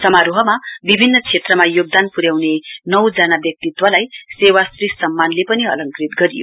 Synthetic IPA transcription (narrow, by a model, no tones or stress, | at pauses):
sʌmaɾuɦʌmabibʱinːʌt͡sʰet̪rʌmajoɡ̚d̪anpuɾjawnenʌwd͡zanabjʌk̚t̪it̪wʌlajsewasrissʌmːanlepʌniʌ̰lʌŋkrit̪ɡʌɾijo̰